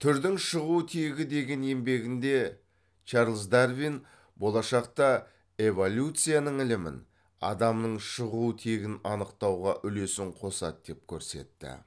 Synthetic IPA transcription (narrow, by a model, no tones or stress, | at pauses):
t̪ʰʏɾd̪ɪŋʃəʁut̪ʰeɡʲɪd̪e̞ɡʲe̞ne̞mbe̞ɡʲɪnd̪e̞ | t͡ʃʰɑɾlˠzd̪aɾvin | bo̞lˠɑʃɑqt̪ɑ | e̞volʲjut̪sɨjanəɴɪlɪmɪ̰n | ɑ̰d̪ɑmnəɴʃəʁut̪ʰeɡʲɪnɑnəqt̪ɑwʁɑʔʏle̞sɪɴqʰo̞sɑ̰t̪̚d̪̥e̞p̚kʲʰɵɾse̞̰t̪ːɪ̰